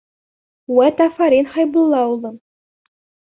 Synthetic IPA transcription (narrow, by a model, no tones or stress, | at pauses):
wæt̪æfɑɾinχɑjbŭlˠːɑulˠd̪ɤn